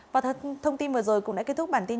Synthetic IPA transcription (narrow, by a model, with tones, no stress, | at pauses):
vaː˨˩˧t̪ʰə˧wŋ͡mt̪i˧nvəː˨˩zo˨˩jkʊ̰˧˥ŋ͡mɗa̰˧˥ke˦˥t̪ʰʊ˦˥k͡p̚ɓaː˧˩nt̪i˧